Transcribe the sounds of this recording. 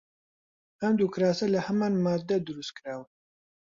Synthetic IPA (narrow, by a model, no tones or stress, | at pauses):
ɐmd̪ukɾaːsɐlɐhɐmaːnmaːd̪ːɐd̪ɨɾust̪̚kɾaːw